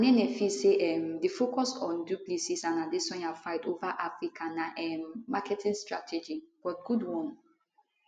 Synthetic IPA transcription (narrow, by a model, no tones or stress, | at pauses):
anenɛfiseʔɛmdefokɔsɔ̃nduplisisãnadisɔ̃nafaɪtovaʔafɹikʰanaʔɛmːakʰɛtʰĩŋstɹa̰tʰɛd͡ʒib̥ɔt̚ɡ̥udwɔ̃n